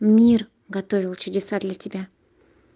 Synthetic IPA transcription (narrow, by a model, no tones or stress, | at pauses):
mʲir | ɡɐt̪o̞vʲɪlˠt͡ʃʊdʲɪsad̪lʲatʲɪbʲæ